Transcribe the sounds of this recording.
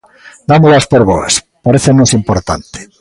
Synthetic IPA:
d̪amolaspoɾβɔ̰ḛs | paɾeθenosimpoɾt̪a̰nt̪e̥

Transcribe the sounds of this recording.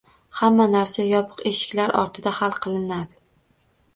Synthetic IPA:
hamːanaɾsajɒpʰɨ̥qe̞ʃɪ̥kʲlaɾʔɒ̰ɾt̪ʰɪd̪ahalˠqʰɨlˠɪnad̪ɪ

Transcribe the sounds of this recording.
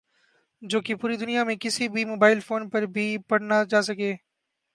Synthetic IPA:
d͡ʒoːkepuːɾid̪ʊnijamẽkɪsibʱimoːbaːɪlfoːnpɐɾbʱipɐɽnad͡ʒaːsɐkeː

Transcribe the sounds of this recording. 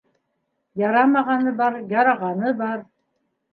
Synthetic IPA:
jɑɾɑmɑʁɑnɤbɑɾjɑɾɑʁɑnɤbɑɾ

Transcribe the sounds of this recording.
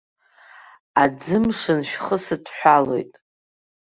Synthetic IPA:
ad͡zɨmʂɨnʃᶣχəsɨtʰħʷᶣalo̞̰jtʼ

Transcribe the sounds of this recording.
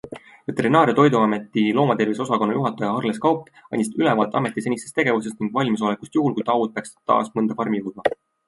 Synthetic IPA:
vet̪ːeɾinɑːɾjɑt̪o̞jd̪uɑme̞t̪ːˑilo̞ːmɑt̪e̞viso̞sɑkonːɑjuɦɑt̪ːˑɑjɑɑrleskɑwpːˑ | ɑ̰nʲist̪ylɛvɑːt̪ːˑɑ̰me̞t̪ːˑise̞nʲist̪est̪e̞ɡ̥e̞vuse̞st̪niŋɡ̥vɑlʲmis̬o̞lekust̪juɦulkujt̪ɑwut̪̚peɑkst̪ːɑ̰ːsmɤnd̪̥ɑpɑrmijud̪mɑ

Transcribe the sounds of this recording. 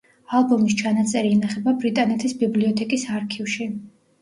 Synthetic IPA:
alˠbumist͡ʃʰanat̪sʼɛɾiːnaχɛbabɾit̪ʼanɛt̪ʰisbibliɔt̪ʰɛkʼisaɾkʰivʃi

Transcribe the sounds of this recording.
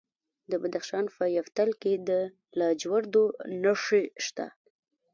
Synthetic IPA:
d̪əbad̪axʃɑnpəjaft̪alked̪ə | lɑd͡ʒwaɾd̪onaʂeʃt̪a̰

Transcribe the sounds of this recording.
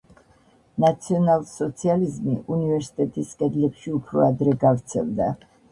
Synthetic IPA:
nat̪sʰiɔnalˠsɔt̪sʰializmiʔunivɛɾsi̥t̪ʼɛt̪ʼiskʼɛd̪lɛpʃiupʰɾɔad̪ɾɛɡavɾt̪sʰɛ̰lˠd̪a

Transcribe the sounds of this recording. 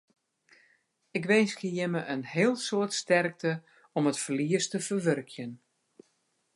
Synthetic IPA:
ɪkʋeːskəjɪməʔənɦɪəlˠsoətstɛrk̚tə | ɔmətfərliəstəfərʋørkʰjən

